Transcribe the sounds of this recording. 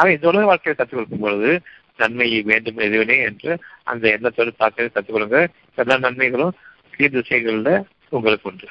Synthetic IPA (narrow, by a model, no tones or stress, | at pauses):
ɐʋɐ̃ɪnd̪ɐʊɭɐɣɐʋaːɭkɐjɪlɐk̪ɐt̪ːɯkːɔɭɯkːɯmpɔɻɯðɯ | nɐɳmɐjɯʋeːɳɖɯmɪðɯʋɐneːɛndrɯʔɐ̰nd̪ɐɛnːɐt̪ːɔɾɐt̪aːt̪ːɐlɐk̪ɐt̪ːɯkːɔɭɯŋɡɐ | ɛlːãːnɐɳmɐɪɣɐɭɯ̃ | kiːʋsɐjɾɣɐɭlɐ | ʊŋɡɐɭɯkːʊndɯ